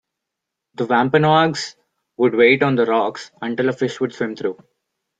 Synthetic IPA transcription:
d̪əʋæ̃mpə̃naːɡs | ʋʊɖʋeːʈɔ̃ːnd̪əɾɔːksɐ̃ɳʈɪləfɪʃʋʊɖsʋẽmt̪ʰɾuː

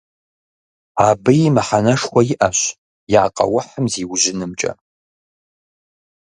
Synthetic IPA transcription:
aːbɨjɪmɨħanɐʂxʷɐjɪʔɐɕ | jaːqʼɐ̰wʊħəmziːwʑɪnɨmt͡ʃʼɐ̰

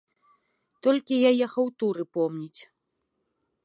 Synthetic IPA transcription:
t̪ɔlʲkʲijajɛxɐwt̪uɾɨpɔmnʲit͡sʲ

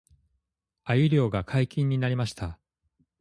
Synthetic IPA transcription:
ajɯ̟ɾʲo̞ːɡakʰaikʲĩɲ̟ːinaɾʲimaɕi̥t̪a

